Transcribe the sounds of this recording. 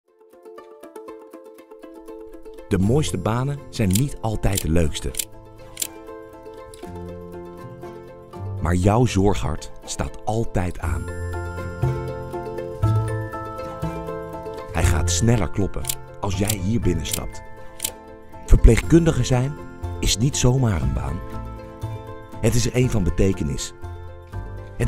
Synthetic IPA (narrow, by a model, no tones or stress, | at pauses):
d̥əmoːjstəbaːnənz̥ɛjnːitɑlˠtɛjt̚dəløɥkstə̰ | ma̰ːɹjɔwzɔɹχɦɑ̰ɹtsta̰ːtɑlˠtɛjtʰa̰ːn | hɛjχa̰ːtsnɛlə̰ɹklɔpə̰ | ɑlˠsjɛjɦiːɹbɪnəstɑ̰p̚t | v̥əɹpleχkɵndəχəzɛjnɪsnitsowmaːɹə̰nba̰ːn | ɦətɪsəɹʔejnvɑnbətejkənɪ̰s | ɦət